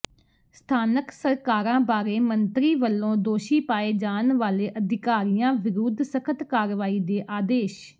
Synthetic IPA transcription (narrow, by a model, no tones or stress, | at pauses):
st̪ʰaːnəksəɾkaːɾãːbaːɾeːmənt̪ɾiːʋəlːõːd̪oːʃiːpaːeːd͡ʒaːnʋaːleːʔəd̪ʱɪkaːɾijãːʋɪɾuːd̪səkʰət̪kaːɾʋaːiːd̪eːʔaːd̪eːʃ